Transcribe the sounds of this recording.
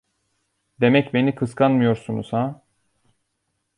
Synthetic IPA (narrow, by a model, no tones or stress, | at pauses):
d̪e̞mɛcbe̞nikʰɯskʰanmɯjo̞ɾsunṵsa